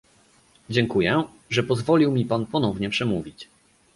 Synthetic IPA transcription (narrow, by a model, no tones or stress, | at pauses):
d͡ʑɛŋkujɛ | ʐɛpɔzvɔlʲiwmʲipanpɔnɔvɲɛpʂɛmuvʲit͡ɕ